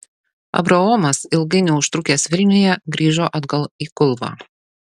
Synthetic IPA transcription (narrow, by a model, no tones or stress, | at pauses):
ɐ̰bɾɐoːmɐsɪlˠɡɐɪnʲɛʊʃt̪ɾʊkʲeːsʋʲɪlʲnʲʊjɛɡɾʲiːʒoːʔɐd̪ɡɐlˠiːkʊlˠbɑ̰ː